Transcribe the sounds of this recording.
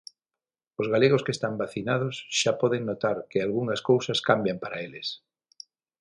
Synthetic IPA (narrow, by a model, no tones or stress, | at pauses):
ozɣaleɣ̞oskest̪ambaθinað̞ʊsʃapɔðeŋnot̪aɾkɪalɣuŋɐskowsɐskambjampaɾaelɪs